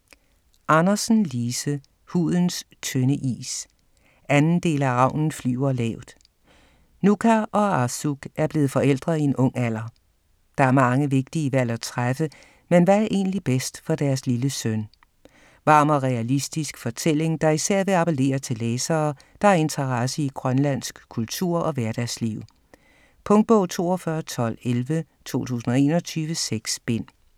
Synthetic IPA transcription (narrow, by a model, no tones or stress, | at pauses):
ʔɑnɐsn̩liːsə | hṵðˠn̩s | t͡sʰønəʔḭːs | ænn̩d̥e̝̰ːlæʁɑ̈ʊ̰nn̩fly̰ːʊɐlɛʊd̥ | nukʰæʔɒ̽ɑsuɡ̥æɐb̥le̝ːð̩ˠfɒ̽el̰d̥ʁɐðˠie̝nɔ̽ŋ̰æl̰ɐ | d̥ɑ̈æɐmɑ̈ŋəʋe̝ɡ̥̚d̥iəʋæl̰æt͡sʰʁafə | menʋææɐʔe̝̰ːnlib̥esd̥fɒ̽d̥æɐsliləsøn | ʋɑ̈ːmɒʁɛælisd̥isɡ̥fɒ̽t͡sʰel̰e̝ŋd̥ɑ̈isæɐ̰ʋe̝ɑ̈pʰele̝̰ːɐt͡sʰe̝leːsɐː | d̥ɑ̈æɐe̝nt͡sʰɐʁɑsəiɡ̥ʁɶnlæn̰sɡ̥kʰult͡sʰṵɐ̰ʔɒ̽ʋæɐd̥æsliʊ̰ | pʰɔ̽ŋd̥̚b̥ɔʊ̰t͡sʰo̝̰ːɒ̽fɶɐt͡sʰɒ̽l̰elʋət͡sʰo̝̰ːt͡sʰṵːsn̩ɒ̽e̝̰ːnɒ̽t͡sʰyːʋəseɡ̥sb̥e̝n̰